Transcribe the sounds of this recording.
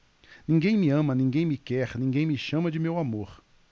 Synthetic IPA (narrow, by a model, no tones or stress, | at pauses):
nĩŋɡẽj̃mɪɐ̃mɐnĩŋɡẽj̃mɪkɛɾnĩŋɡẽj̃mɪʃɐ̃mɐd͡ʒɪmewamoɾ